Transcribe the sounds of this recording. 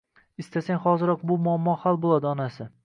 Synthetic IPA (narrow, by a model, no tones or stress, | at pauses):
ɪst̪asaŋʲhɒzɪɾɒq̚bʊmʊamːɒhalˠbolˠad̪ɪɒnasɪ